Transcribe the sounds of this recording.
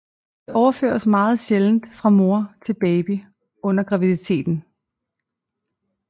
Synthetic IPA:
d̥e̝ʔɒʊɐfø̰ːɐsmɑ̈ːð̞̩ˠɕeln̩d̥fʁɑ̈mo̝ɐt͡sʰe̝lb̥ɛɪb̥i | ɔ̽n̰ɐɡ̥ʁɑ̈ʋiðˠit͡sʰe̝̰ːd̥n̩

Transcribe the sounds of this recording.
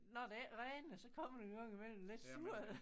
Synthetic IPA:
nɒd̥eæʁɛːnnəsɒ̽kʰɒ̽m̰ɐd̥eɡ̥ɑŋ̰imel̰m̩le̝d̥suɐ̰ð̩ˠ

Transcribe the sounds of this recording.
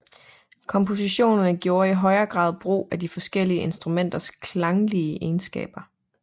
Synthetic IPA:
kʰɒ̽mpʰo̝siɕo̝̰ːnɐnəɡ̥jo̝ːɐiɦɒ̽ɪɐːɡ̥ʁɑ̰̈ːð̞̩ˠb̥ʁo̝̰ːæd̥ifɒ̽sɡ̥el̰iəʔe̝nsd̥ʁumen̰d̥ɐskʰlɑ̈ŋliəʔe̝ːnsɡ̥ɛ̰ːb̥ɐ

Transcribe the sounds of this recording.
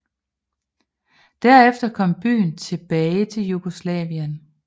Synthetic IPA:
d̥æɐefd̥ɐkʰɒ̽m̰b̥y̰ːnt͡sʰe̝b̥ɛːɪt͡sʰe̝ljuɡ̥o̝slɛ̰ːʋiæn

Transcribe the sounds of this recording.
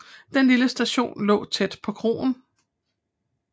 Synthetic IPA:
d̥enliləsd̥æɕo̝̰ːnlɔ̰ːt͡sʰed̥pʰɒ̽kʰʁo̝̰ːn

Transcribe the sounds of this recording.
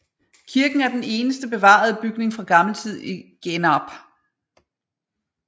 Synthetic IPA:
kʰiɐɡ̥n̩æɐd̥ene̝ːnəsd̥əb̥e̝ʋɑ̰̈ð̞ˠəb̥yɡ̥ne̝ŋfʁɑ̈ɡ̥ɑ̈ml̩t͡sʰið̞̰ˠiɡ̥enɑb̥

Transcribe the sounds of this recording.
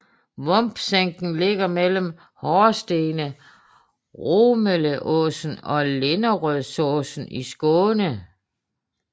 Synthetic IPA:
ʋɔ̽mb̥seŋ̰ɡ̥n̩le̝ɡ̥ɐmelm̩ | hɒːsd̥e̝ːnə | ʁomələʔɔsn̩ɒ̽le̝nɐʁœðˠsɔːsn̩isɡ̥ɔːnə

